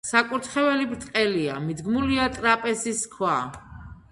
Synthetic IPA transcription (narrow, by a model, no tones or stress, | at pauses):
sakʼuɾt̪ʰχɛvɛlibɾt̪ʼqʼɛlia̰mid̪ɡmuliat̪ʼɾapʼɛsiskʰwa